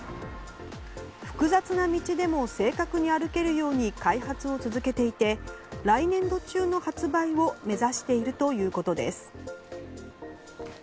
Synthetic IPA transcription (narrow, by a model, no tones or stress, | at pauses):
ɸɯ̥kɯ̟zat͡sɨnamʲit͡ɕid̪e̞mo̞se̞ːkakɯ̟ɲ̟iaɾɯ̟ke̞ɾɯ̟jo̞ːɲ̟ikaiɦat͡sɨo̞t͡sɨzɨke̞t̪e̞it̪e̞ɾainẽ̞nd̪o̞t͡ɕɨːno̞hat͡sɨbaio̞me̞zaɕi̥t̪e̞iɾɯ̟t̪o̞jɯ̟ːko̞t̪o̞d̪e̞̰sɨ̥